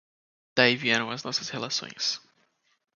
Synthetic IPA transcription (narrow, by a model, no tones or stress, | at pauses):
d̪̥aiviɛ̃nõw̃ɐznɔsɐshelasõ̰j̃s